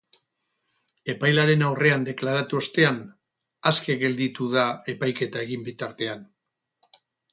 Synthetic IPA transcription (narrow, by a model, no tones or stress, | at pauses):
e̞pajlaɾe̞nawre̞and̪e̞klaɾat̪uost̪e̞an | aske̞ɣe̞ld̪it̪uðae̞pajke̞t̪ae̞ɣ̞imbit̪aɾt̪e̞an